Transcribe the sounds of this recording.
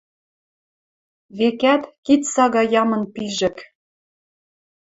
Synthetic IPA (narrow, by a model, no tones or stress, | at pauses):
βekæt̪kit̪sɑɣɑjɑmɤ̆npiʒɘ̆k